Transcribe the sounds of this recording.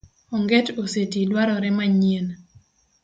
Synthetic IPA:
ɔŋɡetosetidwaɾɔɾɛmaɲien

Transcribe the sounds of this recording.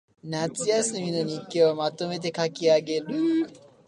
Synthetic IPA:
nat͡sɨjasɨmʲino̞ɲ̟ikːeomat̪o̞me̞t̪̬e̞kakʲiaɡe̞ɾɯ

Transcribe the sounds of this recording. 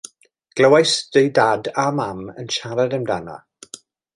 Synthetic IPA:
ɡ̥ləwajsd̥əjdadamamə̰nʃaɾadəmdana̰

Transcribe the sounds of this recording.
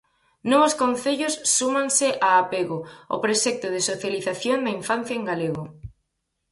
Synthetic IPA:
noβoskonθeʎosːumãnsɪʔaːpeɣʊo̰pɾesɛk̚t̪ʊð̞ɪsoθjaliθaθjoŋd̪ɐiɱfan̟θjaeŋɡaleɣo

